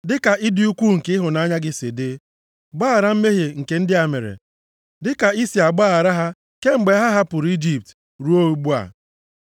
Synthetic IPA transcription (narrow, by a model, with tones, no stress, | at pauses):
dɪ˦ka˨ʔɪ˦dɪ˦u˦kʷu˦ŋ̩˨kɪ˦ɦʊ˨na˨˦ɲa˦ɡɪ˦sɪ̰˨dɪ˦ | ɡ͡baː˦a˨ɾa˦m̩˦me˦ɦe˨ŋ̩˨ke˨n̩˦dɪ˦a˨mḛ˨ɾḛ˨ | dɪ˦ka˨i˦si˨a˨ɡ͡baː˦a˨ɾa˦ɦa˦ | ke˦ŋ͡m̩˨ɡ͡be˨˦ɦa˦ɦa˦pʊ˨ɾu˨˦i˦d͡ʒi˦p̚t | ɾu˦o˦u˦ɡ͡bu˦a̰˨